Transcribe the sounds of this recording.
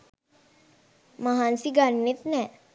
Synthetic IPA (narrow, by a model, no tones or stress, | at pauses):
məɦansiɡanːit̪nɛ̃